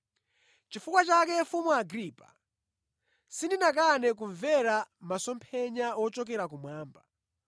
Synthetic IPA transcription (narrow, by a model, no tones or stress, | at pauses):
t͡ʃifukwat͡ʃakɛfumuaɡɾiːpa̰ | sindinakanɛk̬uɱvɛɾamasɔmpʰɛɲaɔt͡ʃɔk̬ɛɾak̬umwaːmba